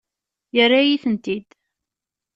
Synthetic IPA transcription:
jərːajiθənt̪id̪

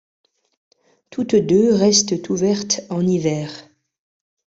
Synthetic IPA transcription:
t̪ʰut̪d̪øʁɛst̪ət̪uvɛʁt̪ɑ̃nivɛːʁ

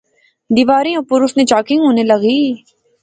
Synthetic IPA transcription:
d̪iːʋaːɾiopːʊɾʊsnẽt͡ʃaːkɪ̃ŋɡɦoːnelɐɡiː

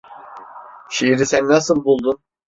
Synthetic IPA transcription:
ʃiiɾisænːasɯlˠbulˠd̪un

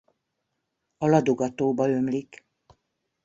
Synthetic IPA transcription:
ɒlɒd̪oɡɒt̪oːbɒø̞mlik

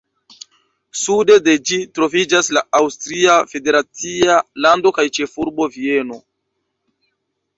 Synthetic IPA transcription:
sude̞de̞d͡ʒitɾo̞vid͡ʒaslaawstɾiafe̞de̞ɾat͡sialando̞kajt͡ʃe̞fuɾbo̞vie̞no̞

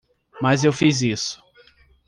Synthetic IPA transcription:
mɐzewfizisʊ̥

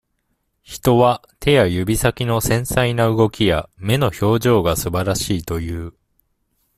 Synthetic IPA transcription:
çi̥t̪o̞βa | t̪ʰe̞jajɯ̟bʲisakʲino̞sẽ̞ɰ̃sainaɯ̟ɡo̞kʲijame̞no̞ço̞ːʑo̞ːɡasɨbaɾaɕiːt̪o̞jɯː

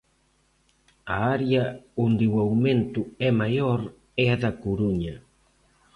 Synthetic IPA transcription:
aaɾjaond̪ewawment̪uɛmajoɾ | eaðakuɾuɲa

